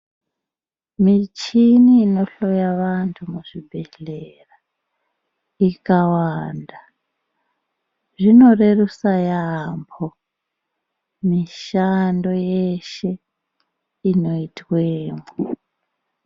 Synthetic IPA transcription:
mit͡ʃiniːno̞ɬo̞jaʋantʰumuʐibʱe̞ɬera | ikawaːnda | ʐino̞re̞rusajambʰo | miʃando̞jeʃe̞ | ino̞itweːmo

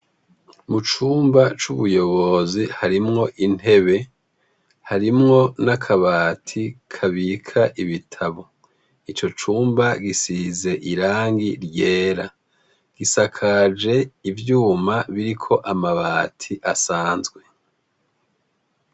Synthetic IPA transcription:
mut͡ʃuːmbat͡ʃuβujo̞βo̞zihaɾimŋo̞ʔin̥e̞βe̞ | haɾimŋo̞nakʰaβaːtʰikʰaβikʰaʔiβitʰaβo̞ | it͡ʃo̞t͡ʃuːmbaɡisize̞ʔiɾaːŋɡiɾje̞ːɾa | ɡ̥isakʰad͡ʒe̞ivjuːmaβiɾikʰo̞ʔamaβaːtʰiʔasaːnzɡwe̞

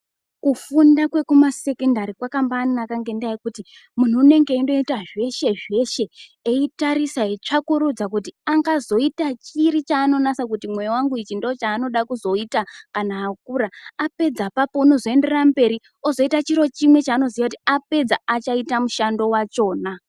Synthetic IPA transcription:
kufundakwe̞kumase̞kendaɾikwakambaːnnakaŋɡe̞ndajikuti | mun̤uːne̞ŋɡe̞indo̞itaʐe̞ʃe̞ʐe̞ʃe̞eitaɾisaet͡ʂakuɾud͡zakutiaŋɡazo̞itat͡ʃiɾit͡ʃaːno̞nasak̬utimwe̞jowaŋɡuit͡ʃindoot͡ʃaːno̞ɗakuzo̞itakanaːk̚uɾaape̞d͡zapapo̞uno̞zo̞e̞nde̞rambe̞ɾi | o̞zo̞itat͡ʃiɾo̞t͡ʃimwe̞t͡ʃaːno̞zijakutiape̞d͡zaat͡ʃaitamuʃando̞wat͡ʃo̞ːna

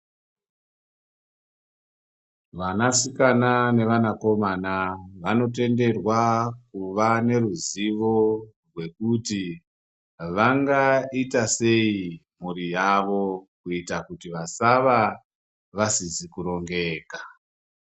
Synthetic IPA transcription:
ʋanasikanane̞ʋanako̞manaʋano̞t̬e̞nde̞rwakuʋane̞ruziʋo̞rwe̞kuti | ʋaŋɡaitase̞im̤uɾijaʋo̞kuitakutiʋasaʋa | ʋasizikuɾo̞ŋɡe̞ːka

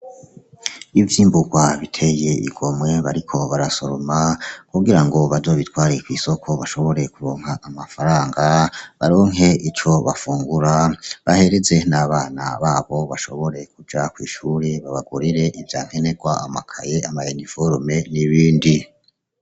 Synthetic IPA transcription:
ivjiːmbuɡwaβitʰe̞je̞ḭɡ̥o̞mwe̞βaɾikʰo̞βaɾasoɾomakuɡiɾaŋɡo̞βazo̞ːβitwaːɾekwiːso̞kʰo̞βaʃo̞βo̞ɾe̞kuɾoːŋhaʔamafaɾaːŋɡaβaɾoŋɦe̞ʔit͡ʃo̞βa̰fuːŋɡuɾaβahe̞ɾeze̞naβaːna̰βaːβo̞βaʃo̞̰βo̞ɾe̞kud͡ʒakwḭːʃuːɾeβaβaɡuɾiɾe̞ʔivjaːŋ̥he̞ne̞ɡwaama̰kʰajeamajenifoɾume̞niβiːndi

